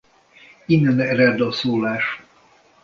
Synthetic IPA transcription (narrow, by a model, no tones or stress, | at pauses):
inːɛnɛɾɛrd̪ɔsoːlaːʃ